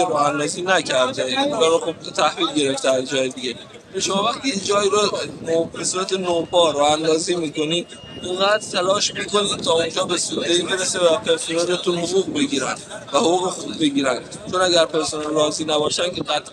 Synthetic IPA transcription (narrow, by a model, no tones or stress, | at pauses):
ɾɔːænd̪ɒːziːnæcʰæɾd̪eund͡ʒɒːɾoxub̚et̪ʰæhviːlɡe̞ɾeft̪eæzd͡ʒɒːjed̪iɡʲe | eʃomɒːvæxt̪id͡ʒɒːjiːɾobesuːɾæt̪e̞nopɒːɾɒːænd̪ɒːziːmiːko̞niːd̪ | iŋɡæːd̪t̪ʰælɒːʃmiːko̞niːd̪̚t̪ʰɒːund͡ʒɒːbesud̪eiːbe̞ɾesevæpʰe̞ɾsunælet̪ʰunhoʁuːɣbe̞ɡiːɾænd̪væhoʁuːɣexubːe̞ɡiːɾænd̪ | t͡ʃʰonæɡæɾpe̞ɾsunanɾɒːziːnæbɒːʃænkʲʰeɡæt̪ʰ